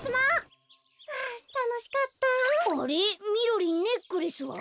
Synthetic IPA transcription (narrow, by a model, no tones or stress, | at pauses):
sɨma | t̪anoɕi̥kat̪ːaaɾimʲiɾoɾʲinne̞kːɯɾisɨβa̰